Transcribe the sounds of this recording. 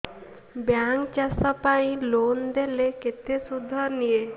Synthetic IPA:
bjaŋkt͡ʃasɔpaĩlond̪eleket̪esud̪ʱːɔnije

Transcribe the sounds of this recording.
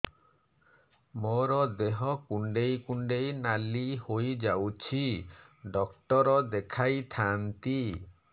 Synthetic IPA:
moɾɔd̪eɦɔkuɳɖejkuɳɖejnalihojd͡ʒawt͡ʃʰiɖɔkʈɔɾɔd̪ekʰajt̪ʰant̪i

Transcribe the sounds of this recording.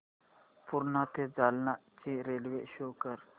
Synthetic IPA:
pʊɾnãt̪ʰed͡zalnat͡ɕiɾelʋeɕokəɾ

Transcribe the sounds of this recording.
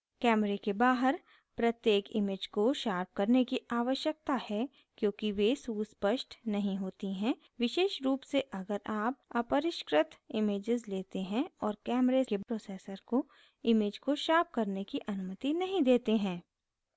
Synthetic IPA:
kɛːmɾekebaːɦəɾ | pɾɐt̪jeːkɪ̰meːd͡ʒkoʃaːp̚kɐɾnekiʔaːʋəʃjək̚t̪ahɛ | kjõːkiʋesuːspəʃʈnɐɦĩɦoːt̪iɦɛ̃ | ʋɪʃeːʃɾuːpseʔɐɡəɾaːp̚ɐpəɾɪʃkɾɪt̪ɪmeːd͡ʒɪzleːt̪eɦɛ̃ɔːɾkɛːmɾekepɾoːseːsəɾko | ɪmeːd͡ʒkoʃaːp̚kɐɾnekiʔɐnʊmət̪inɐɦĩd̪eːt̪eɦɛ̃ː

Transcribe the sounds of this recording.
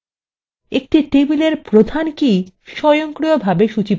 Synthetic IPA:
ek̚ʈiʈebileɾpɾod̪ʱanki | ʃɔjoŋkɾijobʱabeʃut͡ɕip

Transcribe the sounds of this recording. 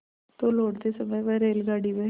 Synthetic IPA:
t̪oːloːɽd̪esəməjʋɛɾeːlɡaːɽiʋe

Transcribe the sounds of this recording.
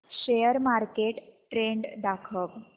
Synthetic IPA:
ɕejəɾmaɾkeʈʈɾeɳɖd̪akʰəʋ

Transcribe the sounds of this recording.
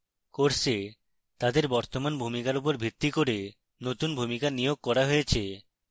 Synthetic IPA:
koɾse | t̪ad̪eɾbɔɾt̪omanbʱumikaɾup̬oɾbʱit̪ːikoɾe | not̪unbʱumikanijoɡ̚kɔɾaɦojet͡ɕʰe

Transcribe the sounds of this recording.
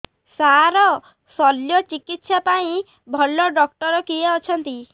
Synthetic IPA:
saɾɔ | sɔljɔt͡ʃikit̪sapaĩ | bʱɔlːɔɖɔkʈɔɾɔkieɔt͡ʃʰɔnt̪i

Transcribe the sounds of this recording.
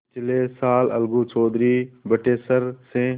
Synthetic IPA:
t͡ʃɪleːsaːlə̰lɡuːt͡ʃoːd̪ɾiːbəʈeːsəɾsẽ

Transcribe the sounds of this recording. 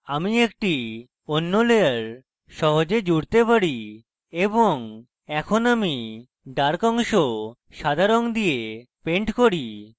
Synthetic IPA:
amiek̚ʈi | onːoleaɾ | ʃɔɦod͡ʑed͡ʑuɽt̪epaɾi | eboŋ | ɛkʰonami | ɖaɾkɔŋʃo | ʃad̪ʱaɾond̪ijepeɳʈkoɾi

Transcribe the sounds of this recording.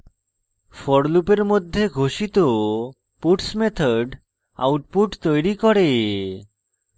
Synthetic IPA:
fɔɽlupeɾmod̪ʱːeɡʱoʃit̪o | puʈsmet̪ʰɔɖ | a̰wʈ̚puʈt̪ojɾikɔɾe

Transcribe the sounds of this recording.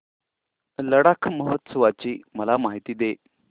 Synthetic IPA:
ləɽakʰməɦət̪səʋat͡ɕiːməlamaɦit̪iːd̪e

